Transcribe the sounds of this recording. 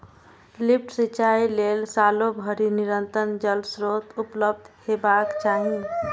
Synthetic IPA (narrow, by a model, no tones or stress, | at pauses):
lip̚ʰʈsit͡ʃailelsalobʱəɾiniɾənt̪ənd͡ʒəlbsɾot̪upləb̚d̪ʱhebakt͡ʃaɦi